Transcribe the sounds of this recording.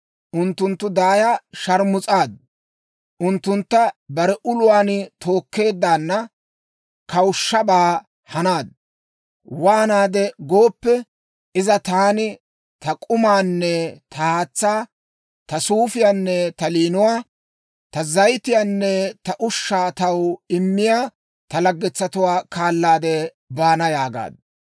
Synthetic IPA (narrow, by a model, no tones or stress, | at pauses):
ʔʊnt̪ːʊnt̪ːʊd̪aːjaʃɐɾmʊt͡sʼaːd̪ | ʔʊnt̪ːʊnt̪ːɐbɐɾɛʔʊlʊwaːnɪt̪ʰo̞ːkːe̞ːd̪ːaːnːɐ | kɐwʊʃːɐbaː | hɐnaːd̪̚ | waːnaːd̪ɛɡo̞ːpːɛ | ʔɪzɐt̪aːnɪ | t̪ɐkʼʊmaːnːɛt̪ʰɐhaːt͡sːaː | t̪ɐsuːfɪjaːnːɛt̪ɐliːnʊwaː | t̪ɐzɐjt̪ɪjaːnːɛt̪ɐʔʊʃːaːt̪ɐwɪmːɪjaː | t̪ɐlɐɡːɛt͡sːɐt̪ʊwaːkaːlːaːd̪ɛ | baːnɐjaːɡa̰ːd̪